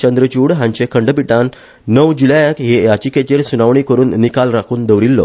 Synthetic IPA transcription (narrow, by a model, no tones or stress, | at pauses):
t͡ɕənd̪ɾət͡ɕuɽɦãɲt͡ɕekʰəɳɖpiʈãnː | əʋd͡ʑulajəkɦejat͡ɕiːket͡ɕeɾsunaʋɳ̃iːkəɾuːnːikalɾakʰuːnd̪əʋɾilːɔ̰